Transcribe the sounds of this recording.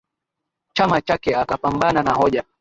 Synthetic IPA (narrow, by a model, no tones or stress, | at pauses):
t͡ʃamat͡ʃakɛakapambananaɦɔʄa